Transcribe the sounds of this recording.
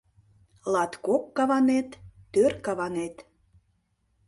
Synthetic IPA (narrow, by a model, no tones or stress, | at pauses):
lɑt̪kokːɑβɑnet̪ːørkɑβɑnet̪